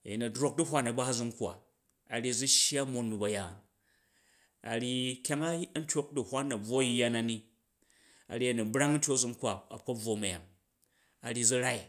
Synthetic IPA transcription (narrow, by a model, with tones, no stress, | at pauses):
a˨ji˨nɐ˨dɾo˦k̚du˦ɦʷa˦nɐ˨ba˦zu˧mkʷa̰˨ | a˨ɾʲi˦˧˨d͡zu˦ʃja˦mo˦nmi˨bɐ˨ja˨ | a̰˨ɾʲi˧kʲa˦ŋa˦n̩˦tʲo˦k̚du˨hʷa˦nːɐ˨b͡vwo˦jːa˦na˨ni˦ | a̰˨ɾʲi˦ɐ˨nɐ˨bɾa˦ŋ˦n̩˦tʲo˦˨zu˧mkwa˨a̰˨kɐ˦b͡vwo˨mɐ˨ja̰˨m | a˨ɾi˦˧d͡zi˦ɾa˦i˨